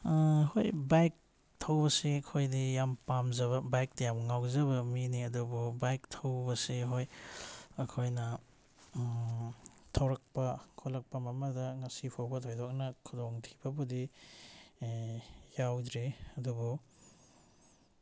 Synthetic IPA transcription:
hojbajk̚ | tʰɐwbɐsiɐkʰojdijampamzɐβɐbajk̚tɐjamŋawzɐβɐminiɐdububajktʰɐwbɐsiɦoj | ɐkʰojnɐ | tʰɐwɾɐk̚pɐkʰolɐk̚pɐmɐmɐdɐŋɐsipʰawbɐtʰojdɔk̚nɐkʰudɔŋtʰi̥bɐbudi | jawdɾeɐdubu

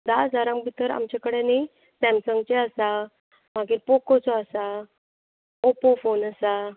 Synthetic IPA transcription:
d̪ad͡zaɾãmbʱit̪əɾa̰mt͡ɕakəɽene | sɛ̃msəŋɡ̚t͡ɕeəsa | maɡiːɾpɔkɔt͡sɔəsa | opofonəsa

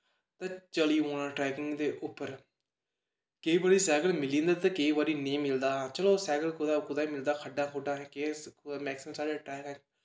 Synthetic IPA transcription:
t̪ãːt͡ʃəliːoːnãːʈɾɛːkɪ̃ŋɡd̪eːʔʊpːəɾ | kəiːbaːɾiːsɛːɡəlmɪlĩːnd̪aːt̪ãːkəiːbaːɾiːnẽːmɪld̪aːt͡ʃəloːsɛːɡəlkʊd̪aːkʊd̪aːiːmɪld̪aːkʰəɖːãːkʰʊɖaːɦɛ̃ːkemɛːksɪmsaːɽeːʈɾɛːkɛ̃

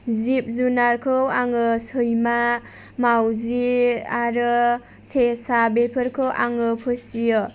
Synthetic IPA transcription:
zip̚zunaɾkʰɯwaŋɯsɯjma | mawziaɾɯ | sesabepʰɯɾkʰɯwʔaŋɯpʰɯsijɯ

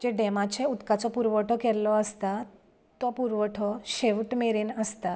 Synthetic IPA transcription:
d͡ʑeɖɛmat͡ɕeut̪kat͡sɔpuɾʋəʈʰɔkɛlɔəst̪a | t̪ɔpuɾʋəʈʰɔɕeʋʈmeɾenəst̪a

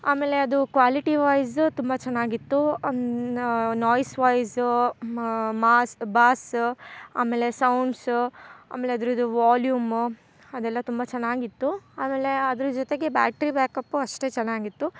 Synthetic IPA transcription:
aːme̞ːle̞ɐd̪ukʋaːliʈiʋɐjst̪umbɐt͡ʃɛnːaːɡit̪ːu | nɔːjsʋɐjs | maːsbaːs | a̰ːmeːle̞sɐwɳɖsa̰ːmeːleɐd̪ɾid̪uʋaːljuːm | ɐd̪ɛlːɐt̪umbɐt͡ʃɛnːaːɡit̪ːuaːme̞ːle̞ɐd̪ɐɾud͡ʒot̪e̞ɡe̞ba̰ːkʈɾibeːkɐpːuɐʂʈeːt͡ʃɛnːaːɡit̪ːu

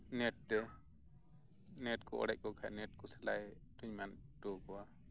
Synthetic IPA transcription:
nɛʈ̚d̪ɛ | nɛʈ̚kɔɔ̰ɽɛc̚kɔkʰajnɛʈ̚kɔsɛla̰jʈuɲmanʈɔkɔwa

